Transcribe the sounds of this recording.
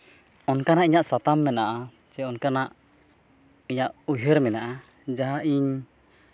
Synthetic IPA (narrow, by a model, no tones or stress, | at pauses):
ɔnkanaʔiɲaʔsat̪amːɛnaʔa | t͡ʃɛɔnkanaʔ | iɲaʔuɦəɾmɛnaʔa | d͡ʒaɦaʔiɲ